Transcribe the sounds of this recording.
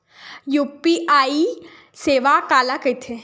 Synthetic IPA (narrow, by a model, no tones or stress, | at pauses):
juːpiʔaːi | seːʋakaːlakət̪ʰe